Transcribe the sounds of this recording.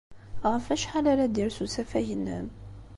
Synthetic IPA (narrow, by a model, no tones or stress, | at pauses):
ʁəfæʃħalaɾad̪iɾsusæfæjənːə̰m